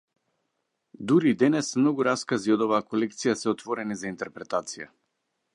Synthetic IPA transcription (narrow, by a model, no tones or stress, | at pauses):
d̪uɾid̪ɛnɛsmnɔɡuɾaskaziɔd̪ɔvaːkɔlɛkt̪sijasɛɔt̪vɔɾɛnizaint̪ɛɾpɾɛt̪at̪sija̰